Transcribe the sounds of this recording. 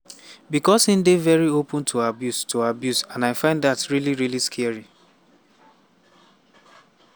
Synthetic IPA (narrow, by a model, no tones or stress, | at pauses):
bikɔsĩn̩devɛɹiopə̃ntʰoabjustʰoabjusãnaɪfãɪ̃nddatɹiliɹiliskʰɛɹi